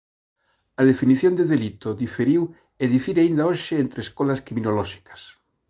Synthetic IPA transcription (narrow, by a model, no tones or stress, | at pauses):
ɐðefiniθjond̪eðelit̪oðifeɾiw | eðifiɾaind̪aoʃɪent̪ɾeskolɐskɾiminolɔʃi̥kɐ̥s